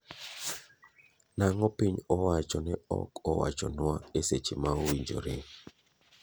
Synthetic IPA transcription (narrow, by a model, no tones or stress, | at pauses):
naŋɔpiɲɔwat͡ʃɔnɛɔ̰kɔwa̰t͡ʃɔnwaeset͡ʃimaowiɲd͡ʒo̰ɾɪ